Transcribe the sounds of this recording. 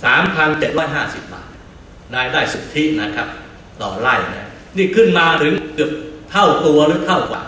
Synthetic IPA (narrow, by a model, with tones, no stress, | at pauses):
saː˩˦mpʰa˧nt͡ɕe˨˩t̪̚ɾɔː˦˥jɦaː˥˩si˨˩p̚ba̰ː˨˩t̪̚ | ɾaː˧jdaː˥˩jsu˨˩p̚t̪ʰi˦˥ʔna˦˥kʰa˦˥p̚ | t̪ɔː˨˩la˥˩jna˦˥ | niː˥˩kʰɯ˥˩nmaː˧t̪ʰɯ˩˦ŋkɯ˨˩əp̚t̪ʰa˥˩wt̪u˧ɐɾɯ˨˦˥t̪ʰa˥˩wkwa̰ː˨˩